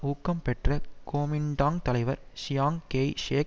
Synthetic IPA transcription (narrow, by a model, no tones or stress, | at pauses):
uːkːɐmpɛʈrɐkoːmɪɳɖaːŋt̪ɐlɐɪʋɐɾʃɪjaːŋkejʂeː